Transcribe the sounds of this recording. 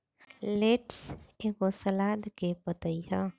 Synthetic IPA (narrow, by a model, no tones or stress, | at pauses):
leʈseɡosəlad̪kepət̪əjɦə̃